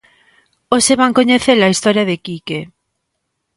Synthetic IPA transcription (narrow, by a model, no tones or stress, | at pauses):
oseβaŋkoɲeθelɐist̪ɔɾjɐðekike